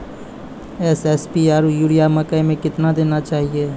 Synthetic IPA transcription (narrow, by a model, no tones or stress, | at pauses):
ɛsɛspiaːɾujuːɽijamɐkəjmẽkɪt̪nad̪eːnat͡ʃaːɦieː